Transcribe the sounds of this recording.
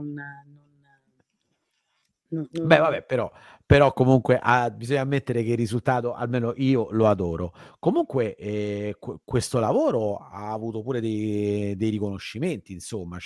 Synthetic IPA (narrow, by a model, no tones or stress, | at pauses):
nnon | bɛvabɛpeɾɔ | peɾɔkːomuŋkweʔabizoɲːamːet̪ːeɾek̟erːizult̪aːt̪oʔa̰lmeːnoʔiːoload̪ɔːɾokomuŋkweʔɛkkwest̪olavoːɾoa̰ːvuːt̪opuːɾed̪ejd̪ejɾikonoʃːiment̪iːnsomːa